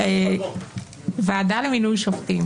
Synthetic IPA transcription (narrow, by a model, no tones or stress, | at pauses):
e | veadaleminujʃoft̪im